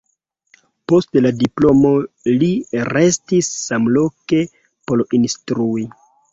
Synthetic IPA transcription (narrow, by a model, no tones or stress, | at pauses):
po̞stladiplo̞mo̞ | liɾe̞stisːamlo̞ke̞ | polinstɾui